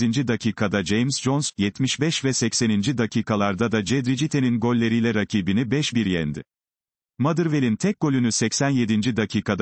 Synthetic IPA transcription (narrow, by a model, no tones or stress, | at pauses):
ind͡ʒid̪acʰiːkʰad̪ad͡ʒejmsd͡ʒonsjɛt̪miʃbɛʃvɛsɛcse̞nind͡ʒid̪acʰiːkʰalˠaɾd̪ad̪ad͡ʒɛd̪ɾid͡ʒit̪ʰe̞ninɡo̞lʲːe̞ɾijlʲɛɾacʰiːbinibɛʃbiɾjɛ̰nd̪ɪ̰ | mad̪ɯɾve̞lʲint̪ʰɛk̚ɡ̥o̞lʲynysɛcsænje̞d̪ind͡ʒid̪acʰiːkʰad̪